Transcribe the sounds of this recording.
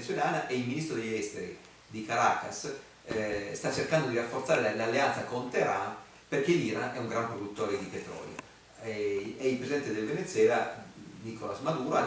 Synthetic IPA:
t̪swelaːnaʔɛilminist̪ɾod̪eʎːɛst̪eɾḭ | d̪ikaɾaːkas | st̪at͡ʃːerkand̪od̪iɾafːoɾrt̪saːɾelalːeant̪sakont̪eɾan | perk̟eliːɾa̰nɛuŋɡɾampɾod̪ut̪ːɔːɾed̪ipet̪ɾɔ̰ːljo̰ | ɛilpɾesid̪ɛnt̪ed̪elvenet̪sːwɛːlanikolasmad̪uːɾoa

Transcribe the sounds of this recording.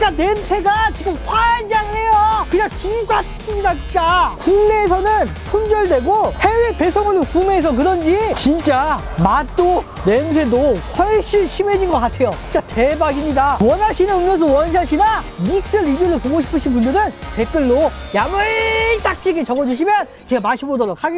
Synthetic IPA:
k͈anwensʰe̞ɡat͡ɕiɡɯmkwand͡ʑaŋɯɭhe̞jokɯat͡ɕiŋk͈ʰatʰs͈ɯɲidat͡ɕint͡ɕ͈akunːeːsʰʌnɯn | sʰond͡ʑʌɭdwe̞ɡohe̞we̞pe̞sʰoŋɯɭdokumeːs̬ʰʌk̬ɯɾʌnd͡ʑit͡ɕint͡ɕ͈a | mat͈o | nensʰe̞doɸʌɭɕ͈ʰinɕʰimed͡ʑinɡʌk͈atʰe̞jot͡ɕint͡ɕ͈atebaɡimɲidawʌnaɕʰinɯnumjʌns̬ʰʌwʌnɕ̬ʰaɕʰinamik̚s͈ɯɾibiɾɯɭpoɡoɕ̬ʰi̥pʰɯɕʰinpunbɯnɯnpe̞k͈ɯɭːojamɯɭt͈ak̚t͡ɕ͈ʰiɡet͡ɕʌɡʌd͡ʑuɕ̬ʰimjʌn | t͡ɕeɡamaɕʰibodʌɾok̚ʰaɡe

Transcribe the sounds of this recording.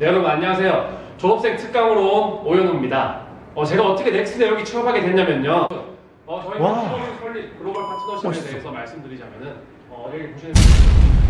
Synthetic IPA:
neɾʌaɲːaasʰe̞jot͡ɕoʌp̚s͈e̞ŋtʰɯk̚k͈aŋɯɾoojʌnumɲida | ʌt͡ɕe̞ɡaʌt͈ʌkʰene̞s͈ʰɯne̞joŋit͡ɕʰɯʌpʰaɡe̞dweɲːamjʌɲo | ʌt͡ɕʌioɾisʰoɭːikɯɾoɡʌɭpʰat͡ɕʰinʌɕʰiedeɦesʰʌmaɭs͈ɯmdɯɾid͡ʑamjʌnɯn | ʌɾekuɕʰinei

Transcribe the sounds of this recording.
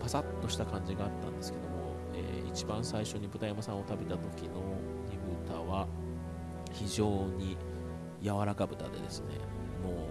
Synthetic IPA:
pasat̪ːo̞ɕi̥t̪akãɲ̟d͡ʑiɡaːt̪ːãnd̪e̞sɨ̥ke̞d̪o̞mo̞ | ḛːḭt͡ɕibãɰ̃saiɕo̞ɲ̟ibɯ̟t̪ajamasãɰ̃o̞t̪abe̞t̪at̪o̞kʲino̞ | nʲiɡɯ̟t̪aβa | çiʑo̞ːɲ̟i | jaβaɾakabɯ̟t̪a̰d̪e̞̰d̪e̞sɨne̞̰ | mo̞ː

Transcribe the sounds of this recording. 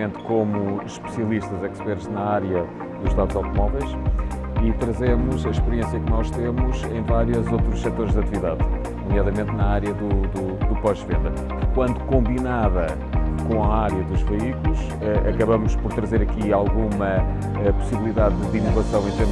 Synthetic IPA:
ẽnt̪komuʃpɨ̥siɐlˠiʃt̪ɐzɛkʃpɛɾt̪ʒnɐaɾjɐ | ðuʃt̪aðzawt̪umɔvɛjʃ | it̪ɾɐzɛmuzɐʃpɨɾiẽsjɐknɔʃt̪emuzɐ̃j̃vaɾjɐzowt̪ɾuʃsɛt̪oɾʒd̪ɐt̪iviðað | numjaðɐmẽnt̪nɐaɾjɐðud̪u | d̪upɔʒvḛ̃nd̪ɐ | kkwɐ̃nd̪ukõmbinaðɐ | kõɐaɾjɐðuʒvɐikulˠuʃ | ɛʔɐ̰kɐβɐmuʃpɔɾt̪ɾɐzeɾɐkialˠɣumɐ | ɛpu̥siβlˠiðaðd̪inuvɐsɐ̃w̃ẽt̪eɾm

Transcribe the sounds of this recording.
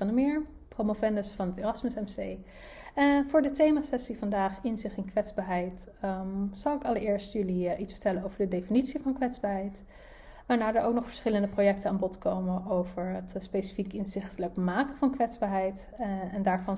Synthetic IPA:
ɑndəmɪːɹpromofɛndəsfɑnɦəteːrɑsməsɛmsej | vʊːɹdətejmasɛsivɑndaːχɪnzɪχtɪnkʋɛtzbaːɹɦɛjt | z̥ʌwɪkɑləɹɪːɹstjɵliʔitsfəɹtɛlənowvəɹdədejfinitsivɑnkʋɛtzb̥aːɹɦɛjt | ʋaːɹnaːɹdəɹʔo̰wk̚nɔχfə̥ɹsχɪləndəprowjɛk̚tənaːnbɔtkowmənʔowvəɹətspejsi̥fikɪnzɪχtələkmaːkəvɑnkʋɛtzbaːɹɦɛjt | ɛndaːɹvɑn

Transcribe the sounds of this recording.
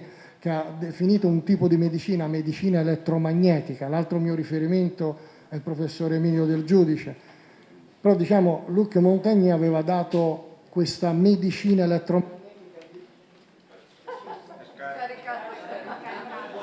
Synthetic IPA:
k̟ead̪ːefiniːt̪ount̪iːpod̪imed̪it͡ʃiːnamed̪it͡ʃiːnaelɛt̪ːɾomaɲːɛːt̪ikalalt̪ɾomiːoɾifeɾiment̪o | ɛilpɾofesːoːɾeemiːljod̪eld͡ʒuːd̪it͡ʃe | peɾɔd̪it͡ʃaːmolukjomont̪aɲːiaveːvad̪aːt̪okwest̪amed̪it͡ʃiːnaelɛt̪ːɾo

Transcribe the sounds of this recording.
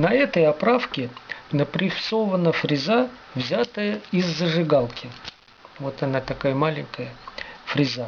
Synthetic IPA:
nɐɛt̪əjɐpɾafkʲɪnəpɾʲɪfso̞vənəfɾʲɪzavzʲat̪əjəɪzːəʐɨɡalˠkʲɪ | vo̞t̪ɐnat̪ɐkajəmalʲɪŋʲkəjəfɾʲɪza

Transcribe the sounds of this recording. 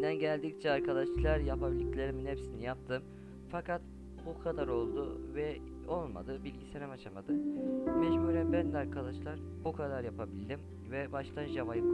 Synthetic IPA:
nd̪ænɟælʲd̪ic̚t͡ʃʰɛaɾkʰad̪aʃlˠaɾjapabilʲiclʲeɾiminhepsinijap̚t̪ʰɯm | fakʰat̪ | bukʰad̪aɾo̞lˠd̪ʊvɛ | o̞lˠma̰d̪ɯbilʲɟiseɾɛmat͡ʃʰamad̪ɯbɛʃbøɾʲɛbænd̪lʲaɾkʰad̪aʃlˠaɾ | bukʰad̪aɾjapʰabilʲd̪ʲim | vɛbaʃt̪ʰanʒavajɯm

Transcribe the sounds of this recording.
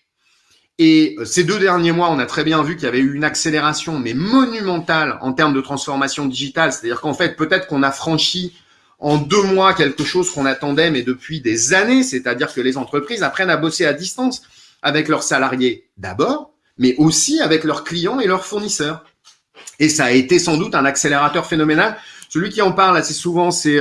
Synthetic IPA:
eøsed̪ød̪ɛʁnjemwaɔ̃nat̪χɛbjɛ̃vykʲiljavɛyːnakseleʁasjɔ̃mɛmɔnymɑ̃t̪alɑ̰̃t̪ɛʁmd̪ət̪χɑ̃sfɔʁmasjɔ̃d̪iʒit̪alse̥t̪ad̪iʁkɑ̃fɛt̪χpøt̪ɛt̪χəkɔ̃nafχɑ̃ʃi | ɑ̃d̪ømwakʲɛlkəʃozkɔ̃nat̪ɑ̃d̪ɛmɛd̪əpɥid̪ezaneset̪ad̪iʁkəlezɑ̃t̪χəpχizapχɛnabosead̪ist̪ɑ̃s | avɛklœʁsalaʁje | d̪a̰bɔːʁ | mɛʔosiavɛklœʁklijɑ̃elœʁfuʁnisœːʁ | esaːet̪esɑ̃d̪ut̪ɛ̃nakseleʁat̪œʁfenɔmenalsəlɥikʲiɑ̃paʁlasɛsuvɑ̃sɛ

